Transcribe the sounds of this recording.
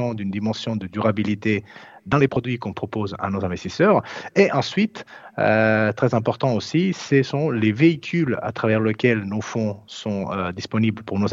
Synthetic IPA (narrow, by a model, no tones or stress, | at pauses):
ɑ̃d̪ynd̪imɑ̃sjɔ̃d̪əd̪yʁabilit̪ed̪ɑ̃lepχɔd̪ɥikɔ̃pχɔpoza̰nozɛ̃vɛst̪isœʁeʔɑ̃sɥit̪øt̪χɛzɛ̃pɔʁt̪ɑ̃osisɛsɔ̃leveikʲʰyla̰t̪χavɛʁləkʲɛlnofɔ̃sɔ̃ød̪ispɔnibləpuʁnoz